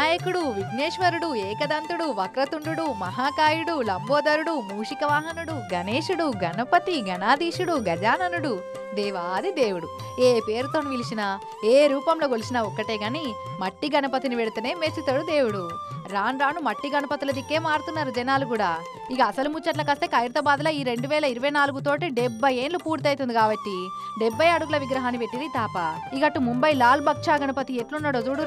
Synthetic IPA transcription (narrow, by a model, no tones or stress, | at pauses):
aːjɐkuɽuʋiɡneːʂʋɐɾuɽueːkɐd̪ɐnt̪uɽuʋɐkɾɐt̪uɳɖuɽumɐɦaːkaːjuɽulɐmboːd̪ɐɾuɽumuːʂikɐʋaːɦɐnuɽuɡɐneːʂuɽuɡɐnɐpɐt̪iɡɐnaːd̪iːʂuɽuɡɐd͡ʒaːnɐnuɽu | d̪ɛːʋaːd̪id̪e̞ːwuɽu | eːpe̞ːɾut̪o̞ːniʋilit͡ʃinɐ | eːɾuːpɐmlo̞ːkolisinɐɔkːɐʈe̞ːɡaːni | mɐʈːiɡɐnɐpɐt̪iniʋeɽut̪uneːmesit̪oːɽud̪eːwuɽuɾaːnɾaːnumɐʈːiɡɐnɐpɐt̪ilɐd̪ikːeːmaːɽut̪unːaːɾud͡ʒɐnaːlukuːɽaː | ikɐːsɐlumut͡ʃːɐʈlɐkɐst̪eːkɐjɾt̪ɐbaːd̪lɐːiːɾe̞ɳɖuʋɛːlɐiɾuʋɐjnaːluɡut̪o̞ːʈiɖebːɐjeːnlupuːɾt̪ɐjt̪und̪iɡaːbɐʈːi | ɖebːɐjɐɽuɡulɐʋiɡɾɐɦaːnipe̞ʈːiɾit̪aːpa | ikɐʈːumumbɐjlaːlbɐk̚ʂaːɡɐnɐpɐt̪ieʈlunːɐɽod͡ʒuɽu